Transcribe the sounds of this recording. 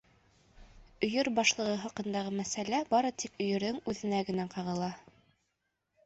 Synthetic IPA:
ɵ̆jɵɾbɑʃlˠɤ̆ʁɤɦɑqɤ̆nd̪ɑʁɤmæsælæbɑɾɤt̪ikɵ̆jɵ̆ɾðɵŋʉðɘ̆næɡɘ̆næqɑʁɤ̆lˠɑ

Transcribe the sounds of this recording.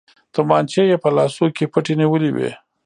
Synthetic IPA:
t̪əmɑnt͡ʃejepəlɑsokepəʈeniwəliwḛ

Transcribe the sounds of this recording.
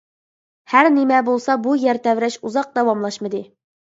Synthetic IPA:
hæɾnɪmɛbolˠsɑbujæɾt̪ʰɛvɾɛʃuzɑq̚d̪ɛwɑmlˠɑʃmɨd̪ɨ

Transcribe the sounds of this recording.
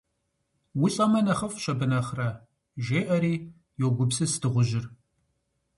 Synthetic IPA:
wʊɬʼɐmɐnɐχɐfʃɐbɨnɐχrɐ | ʒeːʔɐɾiː | joːɡʷʊbsɨsdʰɨʁʷʊʒɪr

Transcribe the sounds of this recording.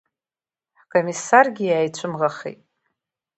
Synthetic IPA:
kʼo̞misːarɡʲɪjaːjt͡ɕʷʰɨmʁaχḛjtʼ

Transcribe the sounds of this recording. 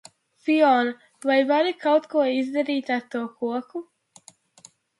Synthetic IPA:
fiɔːn | vajvaɾikawt̪kuɔizd̪aɾiːt̪aɾt̪uɔkuɔku

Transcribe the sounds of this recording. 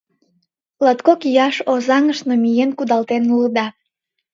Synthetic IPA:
lɑt̪kokijɑʃozɑŋəʃnomijenkud̪ɑlt̪enuləd̪ɑ

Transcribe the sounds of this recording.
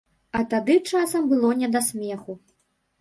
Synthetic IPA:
ɐt̪ad̪ɨt͡ʂasɐmbɨlˠɔnʲɛd̪asʲmʲɛxu

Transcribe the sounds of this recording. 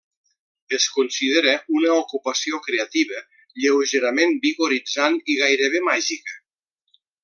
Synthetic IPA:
eskunsið̞eɾəunəokupasiokɾeat̪iβə | ʎewʒeɾamembiɣoɾid͡zaniɣajɾəβemaʒikə

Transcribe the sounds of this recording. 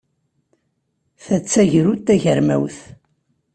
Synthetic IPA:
θæt͡sːæʝɾut̪ːæʝəɾmæ̰wθ

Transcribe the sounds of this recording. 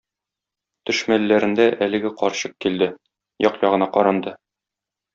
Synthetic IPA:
t̪ɵ̆ʃmælːæɾɘ̆nd̪æʔælɘ̆ɡɘqɒɾɕɤq̚kild̪ɘ | jɒqjɒʁɤ̆nɑqɒɾɑnd̪ɤ

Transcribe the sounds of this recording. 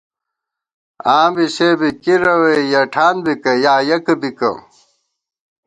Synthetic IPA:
aːmbisebikiɾɐwejɐʈʰaːnbikɐjaːjɐkɐbikɐ̰

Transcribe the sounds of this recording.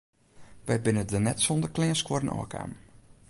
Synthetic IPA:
ʋɛbɪnətdənɛtsɔndərklɪənskwɔɾənʔɔ̰ːkʰa̰m

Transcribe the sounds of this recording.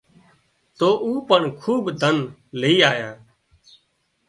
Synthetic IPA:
t̪oːʔuːpəɳkʰuːbd̪ʱənləiːaːjãː

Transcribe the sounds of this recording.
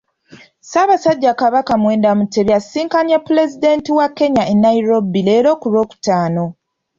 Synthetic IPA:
saːβasaɟːakaβakamwe̞ːndamute̞βjasiːŋkanjapːule̞zide̞ntiwakːe̞ɲaenːaiɾo̞bileːɾo̞ːkuɾo̞ːku̥taːno̞

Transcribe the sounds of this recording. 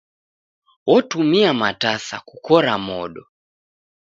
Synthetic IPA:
wɔtumiamatasa̰kukɔɾamɔɗɔ

